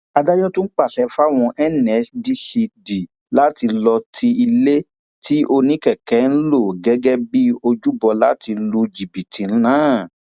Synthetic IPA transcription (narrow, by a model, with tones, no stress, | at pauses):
a˧da˦jɔ˦tũ˦k͡pa˦˨ʃɛ˨˧˦fa˦˨w̃ɔ̃˧ʔɛ˦˨nɛ˨˦sdi˦si˧di˨ | la˦ti˧lɔ˧tʰi˧i˧le˦ | tʰi˦ʔo˧nĩ˦kɛ˦˨kɛ˨˦n̩˦lo˦˨ɡɛ˨˦ɡɛ˦bi˦o˧d͡ʒu˦bɔ˧la˦ti˧lu˧d͡ʒi˨bi˨tʰi˨˦nãː˨˦˨